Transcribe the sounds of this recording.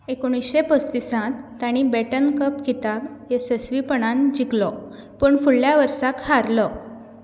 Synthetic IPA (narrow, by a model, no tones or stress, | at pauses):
ekoɽ̃isɕepəst̪isãt̪ːaɽ̃ibɛʈənkəpkit̪abjesəsʋipəɽ̃ãnd͡ʑiklɔ | pəːɳfuɭːjaʋəɾsakhaɾlɔ